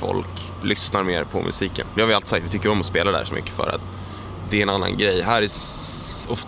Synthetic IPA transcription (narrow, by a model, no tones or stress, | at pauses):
fɔ̰lk | lʔʏsnaɾmḛːɾpʰɔ̰mʔɵ̰siːkə̰nd̪ɛhavjʏalisakt̪vɪt̪ʏkːəɾɔmːɔspeːlad̪ɛæ̰ʂɔmʏ̰kːə̥fœ̰ːɾa̰t̪ | d̪ɛɛnanːa̰nɡɾɛjːɦæːɾæ | ɔft̪